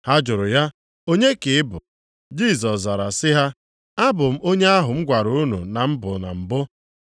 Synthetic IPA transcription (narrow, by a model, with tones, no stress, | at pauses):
ha˦d͡ʒʊ˨ɾʊ˨ja˦ | o˦ɲe˦kɪ˨ɪ˦bʊ˨ | d͡ʒi˦˨s̬ɔ˨sza˨ɾa˨sɪ˦ɦa˦ | a˦bʊ˨m̩˦o˦ɲe˦a˦ɦʊ˨m̩˦ɡʷa˨ɾu˦˨u˦nṵ˨na˨m̩˦bʊ˨na̰˨m̩˨bʊ˦